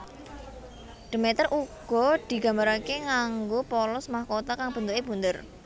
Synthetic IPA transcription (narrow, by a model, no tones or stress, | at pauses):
ɖ̥ə̤mɛt̪ərʔuɡ̥ɔ̤d̪̥i̤ɡ̥a̤mbaɾakeŋaŋɡopɔlɔsmahkot̪akaŋb̥ənd̪ukeb̥ṳnd̪ər